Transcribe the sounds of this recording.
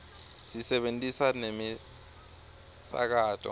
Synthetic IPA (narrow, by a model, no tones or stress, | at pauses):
sisɛɓentʼisanemi | sa̰k̬aːtʰʼɔ̰